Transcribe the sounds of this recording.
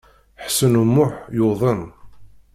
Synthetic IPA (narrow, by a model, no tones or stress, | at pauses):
ħsənumːʊħjoðˤən